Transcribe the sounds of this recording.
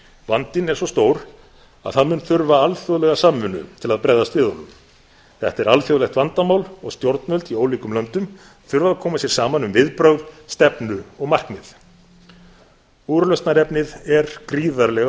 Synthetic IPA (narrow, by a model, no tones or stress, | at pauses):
vant̪ɪnɛɾsɔst̪owɾ | a̰ðθaðmʏnθʏɾvaalθjoðlɛɣasamːʏnːʏ̰t̪ʰɪlaðpɾɛːjðast̪vɪːðolʏm | θɛht̪ɛɾalfjoðlɛxt̪vant̪amaːwlɔɣst̪joɾt̪nœlt̪ioːwliːkʏmlœnt̪ʏm | θʏɾvaðakʰɔːmasjɛɾ̥saːmanʏmvɪðpɾœɣðst̪ɛpnʏɔɣmar̥knɪð | uːɾlœst̪naɾɛpnɪðɛɾkɾiːðaɾlɛɣa